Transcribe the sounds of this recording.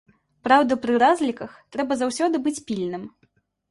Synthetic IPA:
pɾawd̪ɐpɾɨɾazʲlʲikɐxt̪ɾɛbɐzawsʲɔd̪ɨbɨt͡sʲpʲilʲnɨm

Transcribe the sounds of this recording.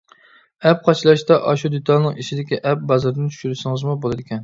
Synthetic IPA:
ɛp̚qʰɑt͡ʃʰlˠɑʃt̪ɑʔɑʃud̪yt̪ʰɑlˠnɨŋiʃid̪ɪkʲiʔɛp̚bɑzɨɾd̪ɪnt͡ʃ̪ʰy̥ʃyɾɪsɨŋɨzmubolˠɨd̪ɪkʲʰɛn

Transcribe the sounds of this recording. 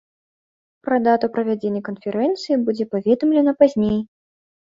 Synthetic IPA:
pɾɐd̪at̪ɐwpɾɐvʲad͡zʲenʲːikənfʲɛɾɛnt̪sɨjibud͡zʲɛpavʲɛd̪ɐmlʲɛnɐpazʲnʲej

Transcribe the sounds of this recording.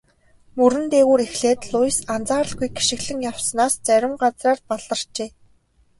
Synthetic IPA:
mɵɾɘ̆nt̪eːɣuːɾexɮeːt̪ɮʊjsant͡saːɾə̆ɮɡujɡi̥ʃɪ̆kɮɘ̆ŋjaw̥snaːst͡sæɾʲɪ̆mɢat͡sraːrpaɮə̆r̥t͡ɕeː

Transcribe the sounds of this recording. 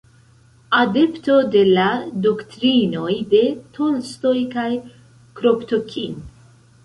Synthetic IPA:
ade̞pto̞de̞lado̞ktɾino̞jde̞tʰo̞nsto̞jkaj | kɾo̞ptokʲʰin

